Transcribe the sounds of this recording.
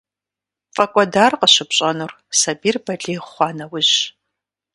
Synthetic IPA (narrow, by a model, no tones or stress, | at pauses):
fʼɐkʷʼɔdaːrqəɕɪpɕʼɐnur | sɐbiːrbɐɬʼiːχʷɑːnɐwʊʑ